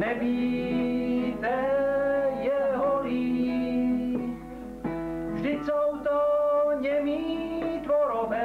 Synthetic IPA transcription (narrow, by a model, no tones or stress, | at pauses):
nɛbiː | t̪ɛ | jɛɦoi | vʒdɪcsowt̪oɲɛmiːt̪voɾobɛ